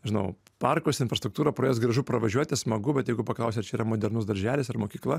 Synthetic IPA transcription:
ʒʲɪnɐʊ | pɐrkoːsɪnfɾɐst̪ɾʊk̚t̪uːɾɐpɾojeːsɡɾɐʒʊpɾɐʋɐʒʲuɔt̪ʲɪsmɐɡʊbʲɛt̪jɛɪɡʊpɐklˠɐʊsʲɛt̪t͡ʃʲɛiːɾɐmoːd̪ʲɛɾnʊsd̪ɐɾʲʒʲæːlʲɪsɐrmoːkʲiːklˠɐ

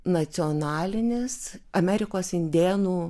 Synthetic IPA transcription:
nɐt͡s̪sʲɪɔnɑːlʲɪnʲɪsɐmʲæːɾʲɪkoːsɪnʲd̪ʲeːnuː

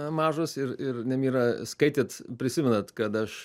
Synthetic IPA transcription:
mɑːʒoːsɪɾɪrnʲɛmʲiːɾɐskɐɪt̪ʲeːt̪pʲɾʲɪsʲɪmʲɛnɐt̪kɐt̪ɐʃ

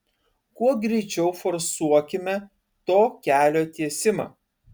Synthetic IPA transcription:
kuɔɡɾʲɛɪt͡ʃʲɛʊfɔɾsuɔkʲɪmʲɛ | t̪oːkʲæːlʲoːt̪ʲiɛsʲɪmɑ̰ː

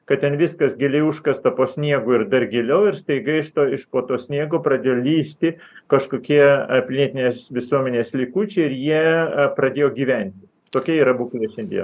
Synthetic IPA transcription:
kɐtt̪ʲɛnʋʲɪskɐsɡʲɪlʲɛɪʊʃkɐst̪ɐpoːsʲnʲiɛɡuːɪɾd̪ɐrɡʲɪlʲɛʊɪɾst̪ɐɪɡɐɪɪʃt̪oːɪʃpoːt̪oːsʲnʲiɛɡoːpɾɐd̪ʲeːjoːlʲiːsʲt̪ʲɪkɐʃkoːkʲiɛpʲlʲiɛt̪ʲɪnʲeːsʋʲɪsuɔmʲɛnʲeːslʲɪkuːt͡ʃʲɛɪɾjiɛpɾɐd̪ʲeːjoːɡʲiːʋʲɛnʲt̪ʲɪ | t̪oːkʲɛiːɾɐbuːkʲlʲiɛʃʲɛnʲd̪ʲḭɛ̰

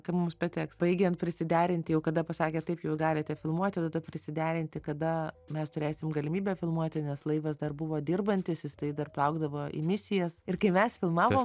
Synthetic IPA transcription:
kɐpmʊmspɐt̪ʲɛːksb̥ɐɪɡʲɛnt̪̚pʲɾʲɪsʲɪd̪ʲæːɾʲɪnʲt̪ʲɪjɛʊkɐd̪ɐpɐsɑːkʲɛːt̪ɐɪpjuːsɡɑːlʲɪt̪ʲɛfʲɪlˠmuɔt̪ʲɪd̪ɐd̪ɐpʲɾʲɪsʲɪd̪ʲæːɾʲɪnʲt̪ʲɪkɐd̪ɐ | mʲɛst̪ʊɾʲeːsʲɪmɡɐlʲɪmʲiːbʲɛfʲɪlˠmuɔt̪ʲɪnʲɛslˠɐɪʋɐsd̪ɐrbʊʋoːd̪ʲɪrbɐnʲt̪ʲɪsjɪst̪ɐɪd̪ɐrplˠɐʊɡd̪ɐʋoːʔḭːmʲɪsʲɪjɛsɪrkɐɪmʲɛsfʲɪlˠmɑːʋoːm

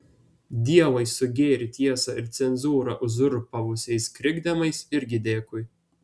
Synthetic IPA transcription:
d̪ʲiɛʋɐɪsʊɡʲeːɾʲɪt̪ʲiɛsɐɪɾt̪sʲɛnzuːɾɑ̰ʔʊzʊɾpɐʋʊsʲɛjskɾʲɪɡd̪ʲɛmɐɪsɪɾʲɡʲɪd̪ʲeːkʊj

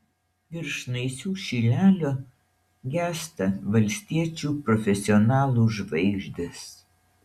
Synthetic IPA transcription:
ɪɾʃnɐɪsʲuːʃʲiːlʲæːlʲo | ɡʲæːst̪ɐʋɐlʲsʲt̪ʲiɛt͡ʃʲuːpɾɔfʲɛsʲɪɔnɑːlˠuːʒʋɐɪʒʲd̪ʲɪs

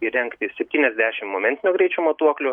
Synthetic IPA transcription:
ɪɾʲɛŋkt̪ʲɪsʲɛpʲt̪ʲiːnʲɛzʲd̪ʲæːʃʲɪmmoːmʲɛnʲt̪ʲɪnʲoːɡɾʲɛɪt͡ʃʲʊmoːt̪uɔklʲʊ

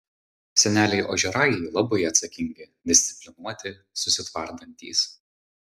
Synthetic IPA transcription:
sʲɛnʲæːlʲɛɪʔo̰ːʒʲɛɾɑjɛɪlˠɐbɐɪɐt̪sɐkʲɪŋʲɡʲɪ | d̪ʲɪsʲt̪sʲɪ̥pʲlʲɪnuɔt̪ʲɪ | sʊsʲɪt̪ʋɐɾd̪ɐnʲt̪ʲḭːs

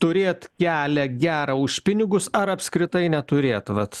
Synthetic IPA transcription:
t̪ʊɾʲeːt̪kʲæːlʲɛɡʲæːɾɐʊʃpʲɪnʲɪɡʊsɐɾɐpʲskɾʲɪt̪ɐɪnʲɛt̪ʊɾʲeːt̪ʋɐt̪

